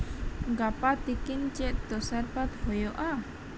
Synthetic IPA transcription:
ŋɡapat̪ikɪnt͡ʃɛʔd̪̥osarpat̪hojoʔa

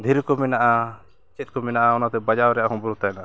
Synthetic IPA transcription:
d̪ʱiɾkɔmɛnaʔa | t͡ʃɛt̪̚kɔmɛnaʔaɔnat̪ɛbad͡ʒawɾɛjaʔaɦɔ̃mbɔɾɔt̪ajnaʔa

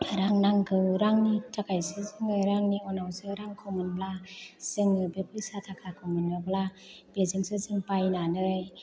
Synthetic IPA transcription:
ɾaŋnaŋkʰɯɾaŋnitʰakajsɯzɯŋɯɾaŋniɔnawsɯɾaŋkʰɔwmɯnblasɯŋɯbepʰɯsat̪ʰakʰakʰɔmɯnːobla | b̥ezɯŋsɯzɯŋpajnanɯj

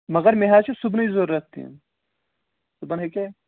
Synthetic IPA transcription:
mɐɣɐɾmeɦaːt͡ʃʰesubnɐizoːɾːɐk̪̚t̪ʰḭn | subɐnɦeke

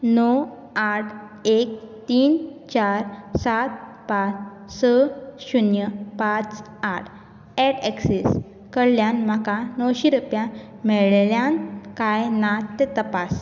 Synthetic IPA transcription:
nɔ | aʈʰ | ek̚t̪iːnt͡ɕaɾsat̪̚ | pat͡s | səɕunjəpat͡s | aʈʰ | ɛʈɛkses | kəɽljanm̤akanəwɕiɾupjã | mɛɭljankajnat̪ːet̪əpas

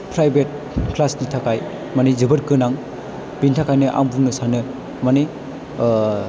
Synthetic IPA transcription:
pʰɾajbet̚ | kʰlasnitʰakaj | manizɯbɯɾkɯnaŋ | bintʰakajnɯʔa̰mbuŋnɯsanɯ | mane

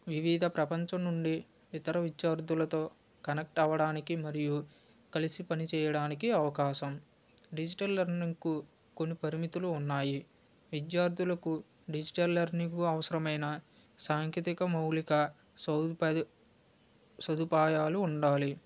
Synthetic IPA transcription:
ʋiʋiːd̪ʱɐpɾɐpɐɲt͡ʃɐnnuɳɖiː | t̪ɐɾɐʋid͡ʒjaːɾd̪ulɐt̪o̞ː | kɐnɐk̚ʈɐʋɐɽaːnikimɐɾiju | kɐlisipɐnit͡ʃɛːjɐɽaːnikiɐʋɐkaːʃɐm | ɖid͡ʒiʈɐlːɐɾniŋku | konːipɐɾimit̪uluːnːaːji | ʋid͡ʒjaːɾd̪ʱulɐku | ɖid͡ʒiʈɐlːɐɾniɡuɐʋɐsɐɾɐmɐjnɐ | saːŋket̪ikɐmɐwlikɐ | s | sɐd̪upaːjaːluːɳɖaːli

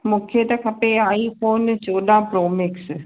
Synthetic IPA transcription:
mʊkʰjet̪ɐkʰɐpeaːipʰoːnt͡ʃoːɗ̪ãpɾoːmɪks

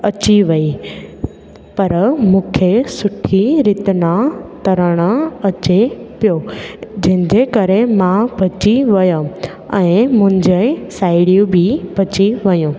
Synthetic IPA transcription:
ɐt͡ɕiʋɐi | pɐɾmũːkʰesʊʈʰiɾɪt̪nãt̪ɐɾəɽ̃əɐt͡ɕepijod͡ʑɐ̃ɦɪ̃ɲd͡ʑekɐɾemãbʱɐt͡ɕiʋɐjõ | ɛ̃ːmʊ̃ɦɪ̃ɲd͡ʑesaːɪɽijũbʱibʱɐt͡ɕiʋɐjũ

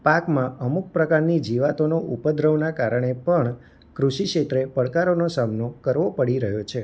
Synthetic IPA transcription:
pakmãəmuk̚pɾəkaɾnid͡ʒiʋat̪onoʔupəd̪ʱɾəʋnakaɾəɳ̃epəɳ | kɾuʃikʂet̪ɾepəɽkaɾonosamnokəɾʋopəɽiɾəɦjot͡ʃʰe

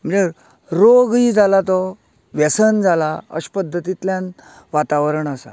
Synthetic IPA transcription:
m̤ə̃ɳd͡ze | ɾoɡid͡zʱalat̪ɔ | ʋɛsənd͡zʱalaə̰ɕpəd̪ʱːət̪it̪ljãn | ʋat̪aʋəɾəɳasa̰

